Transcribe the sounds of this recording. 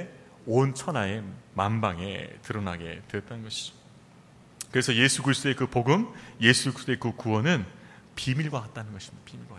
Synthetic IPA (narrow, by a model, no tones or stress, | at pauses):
ont͡ɕʰʌnae̞mambaŋe̞̰tɯɾʌnaɡe̞̰tejʌt͈̚anɯnɡʌɕʰi̥d͡ʑo̥ | kɯɾe̞sʰʌje̞sʰukɯɾis͈ʰt͈oe̞kɯpoɡɯmje̞sʰuist͈oe̞kɯkuwʌnɯnpimiɭɡwakat̚t͈anɯnɡʌɕʰimdapimiɭɡwa